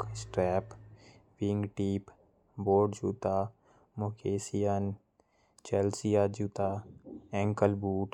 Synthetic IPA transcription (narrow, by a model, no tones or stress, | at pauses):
sʈɾɛːpʋɪŋɡʈiːp | boːɖd͡ʒuːt̪a | mokʰeːsijan | t͡ʃɛlsijad͡ʒuːt̪aɛ̃ːŋkəlbuːʈ